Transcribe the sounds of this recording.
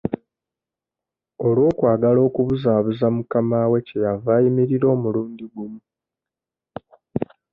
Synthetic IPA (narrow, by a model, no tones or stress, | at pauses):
o̞lwo̞ːkwaːɡalo̞ːkuβuzaːβuzamukamawe̞ce̞javaːjimiɾiɾo̞ːmuluːndiɡumu